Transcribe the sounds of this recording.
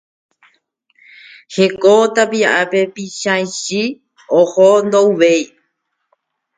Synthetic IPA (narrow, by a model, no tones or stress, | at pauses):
hekot̪apiaʔape̞piʃãjʃi | ohond̪ouʋej